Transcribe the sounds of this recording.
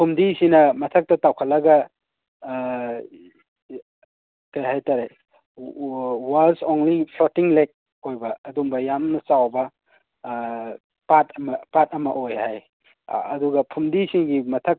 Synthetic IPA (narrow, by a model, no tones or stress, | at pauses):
pʰumdisinɐmɐtʰɐk̚tɐtawkʰɐt̚lɐɡɐ | kɐjɦajtaɾe | waɾsonlipʰlotiŋlek̚ | ojbɐːdumbɐjamnɐsawbɐ | patɐmɐpat̚ɐmɐʔojhaj | ɐduɡɐpʰumdisiŋɡimɐtʰɐk̚